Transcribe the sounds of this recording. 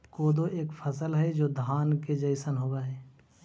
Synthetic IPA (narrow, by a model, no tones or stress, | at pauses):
koːd̪oʔeːkpʰəsəlɦɛd͡ʒoːd̪ʱaːnked͡ʒəɪsənɦoːɡaɦɛː